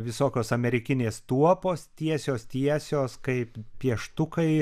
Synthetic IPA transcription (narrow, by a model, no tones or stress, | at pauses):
ʋʲɪsoːkʲoːsɐmʲɛɾʲɪkʲɪnʲeːst̪uɔpoːst̪ʲiɛsʲoːst̪ʲiɛsʲoːskɐɪppʲiɛʃt̪ʊkɐɪ